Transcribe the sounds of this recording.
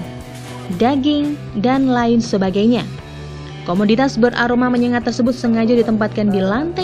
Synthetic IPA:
daɡɪŋdanlaɪnsəbaɡajɲa | komodit̪asbəɾʔaɾomaməɲəŋat̪ːərsəbʊt̪̚səŋad͡ʒadit̪əmpat̪̚kandilant̪ɛ

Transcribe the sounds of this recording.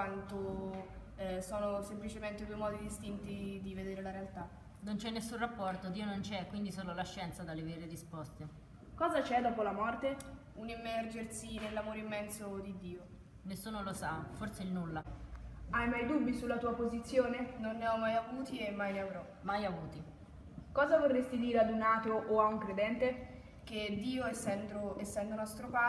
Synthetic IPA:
want̪o | sɔːnosemplit͡ʃement̪ed̪wemɔːd̪id̪ist̪int̪id̪ived̪eːɾelaɾealt̪a | nont͡ʃɛnːesːunrapːɔrt̪od̪iːonont͡ʃɛkwind̪isoːlolaʃːɛnt̪sad̪alːeveːɾeɾispɔst̪e | kɔːzat͡ʃɛd̪ɔːpolamɔrt̪e | unimːɛrd͡ʒersinelːamoːɾeimːɛnsod̪id̪ːiːo | nesːuːnolosaforseilnulːa | ajmajd̪ubːisulːat̪uːapozit̪sːjoːnenonːeɔmːajavuːt̪iemːajnavɾɔ | majavuːt̪i | kɔːzavorːest̪id̪iːɾead̪unaːt̪oʔːauŋkɾed̪ɛnt̪e | k̟ed̪ːiːoɛsːɛnd̪oɛsːɛnd̪onɔst̪ɾopa

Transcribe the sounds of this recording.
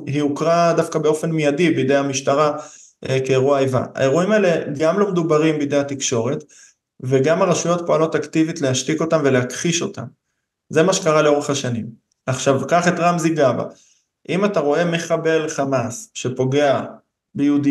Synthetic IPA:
ɦiukʁadafkabe̞o̞fe̞nmijadibejd̪e̞jamiʃtaʁa | ʔekeːʁuaajva̰a̰e̞ʁuimaele̞ɡamlo̞med̪ubaʁimbejd̪e̞jatikʃo̞ʁe̞t | ve̞ɡamaʁeʃujo̞tpoalo̞taktivitlehaʃtiko̞tamvele̞akχiʃo̞ta̰m | ze̞maʃekaʁaleo̞ʁe̞χhaʃanim | aχʃavkaχe̞tʁamziɡaba̰ | ʔimataʁo̞e̞meχabe̞lχamasʃepo̞ɡe̞a | bejudi

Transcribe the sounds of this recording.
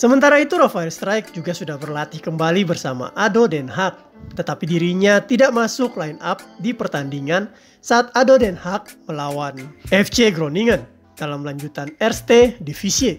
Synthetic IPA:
səmənt̪aɾait̪uɾafaɛlst̪ɾajk̚d͡ʒuɡasudahbərlat̪ɪhkəmbalibərsama̰ʔadodɛnɦak̚ | t̪ət̪apidiɾiɲat̪idaʔmasʊklainap̚dipərt̪andiŋan | saːt̪̚adodɛnhak̚məlawanɛft͡ʃeɡɾoniŋən | d̥alamlaɲd͡ʒut̪anɛrst̪edifisie

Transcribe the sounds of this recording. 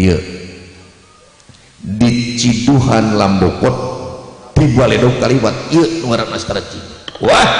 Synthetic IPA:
ə | dit͡ʃiduɦanlambɔkɔt̪̚ː | ibualɛdɔŋkaliwat̪̚iənuwaɾanast̪ɾat͡ʃi | wa

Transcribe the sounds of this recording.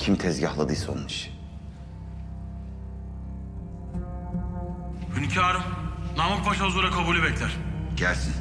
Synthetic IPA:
cʰimt̪ʰɛzɟahlˠad̪ɯjso̰nmɯʃ | hyncʰaːɾɯmnamak̚pʰaʃauzuɾakʰabuːlʲibɛclʲæɾ̥ɟ̥æɾsin

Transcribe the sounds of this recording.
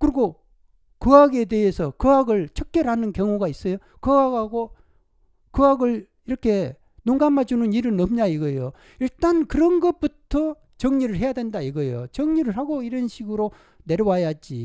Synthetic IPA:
kɯɾiɡo | kɯaɡe̞de̞ɦesʰʌkɯaɡɯɭt͡ɕʰʌk̚k͈jʌɾɦanɯnkjʌŋuɡais͈ʌjo | kɯaɡaɡo | kɯaɡɯɭ | iɾʌkʰe̞ | noŋɡamad͡ʑunɯniɾɯnʌmɲaiɡʌjo | iɭt͈ankɯɾʌnɡʌp͈utʰʌ | t͡ɕʌŋɲiɾɯɭɦe̞jadwe̞ndaiɡʌjo̰t͡ɕʌŋɲiɾɯɭɦaɡoiɾʌnɕʰiɡɯɾo | ne̞ɾjʌwajad͡ʑḭ

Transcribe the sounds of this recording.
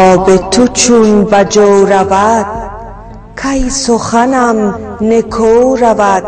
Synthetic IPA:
ɔːbet̪ʰut͡ʃʰunbæd͡ʒoɾavad̪̥̚ | kʰajsoχanamnekʰoɾavæd̪̥̚

